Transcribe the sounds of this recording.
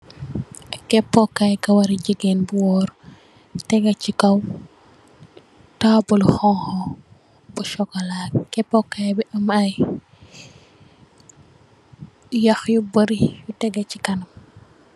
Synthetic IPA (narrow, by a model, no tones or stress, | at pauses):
kɛpːɔkːajkɐwɐɾiɟəɡɛnbuwɔːɾ | tɛɡɐcikɐw | taːbuluxɔŋxɔ | buʃɔkːɐlakkɛpːɔkːajbiʔɐmɐj | jɐxjubɐɾijutɛɡɐcikɐnɐm